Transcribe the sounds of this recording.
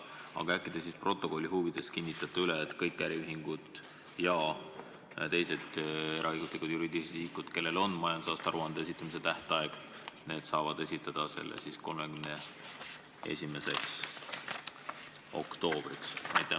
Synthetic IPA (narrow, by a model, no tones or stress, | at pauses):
ɑ̰ɡ̥ɑækːˑid̪̥es̬ispro̞t̪ːˑo̞ko̞lʲːiɦuːvid̪̥e̞skinʲːit̪ːˑɑt̪ːˑuyleːt̪ˑkɤjkːˑæɾiyɦiŋɡ̥ud̪̥ | jɑ | t̪e̞jse̞d̪̥e̞ɾʔɑɤjɡ̥uslikud̪̥juɾiːd̪isiːkud̪̥ke̞lːe̞lo̞nːmɑjɑnd̪̥sɑːst̪ɑɾuɑnd̪ees̬it̪ːˑumise̞t̪æht̪ɑe̞ɡ̥ | ne̞ːd̪̥sɑːvɑd̪̥e̞sʲit̪ːˑɑd̪̥ɑse̞̰lːḛsisko̞lmekymne | e̞̰sʲime̞se̞ks | o̞̰kt̪o̞ːb̥riksnɑ̰jt̪ːˑæ